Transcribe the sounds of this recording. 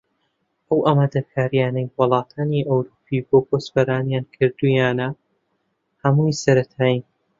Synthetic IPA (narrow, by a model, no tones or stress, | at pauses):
ʔɐwʔamad̪ɐkʰaːɾjaːnɐjwʊlˠɑːt̪ʰaːniʔɐwɾuːpʰiboːpʰosfɐɾaːnjaːnkʰɨɾd̪ujaːnɐ | hɐmujsɐɾɐt̪ʰaːji